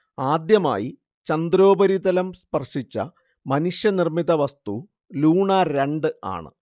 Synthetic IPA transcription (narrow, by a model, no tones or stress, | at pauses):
aːd̪jɐma̰ːji | t͡ɕɐnd̪ɾo̞ːbɐɾiðɐlɐmspɐrʂit͡ɕːɐ̰ | mɐnuʂjɐnirmiðɐʋɐst̪u | luːɳaɾeɳɖɨa̰ːɳɨ̰